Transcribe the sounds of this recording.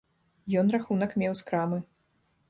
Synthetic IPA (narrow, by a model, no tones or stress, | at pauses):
jɔnraxunɐkmʲɛwskɾamɨ